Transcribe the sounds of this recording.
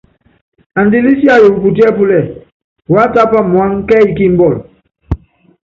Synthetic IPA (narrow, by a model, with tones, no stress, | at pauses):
a˨ndi˦li˦si˦a˦˨jo˨pu˨t̬i˦ɛ˦pu˦lɛ˦˨ | wa˦ta˦pa˦mu˨a˦ŋkɛː˦i˦ki˦˨m̩˦bɔ˦˨l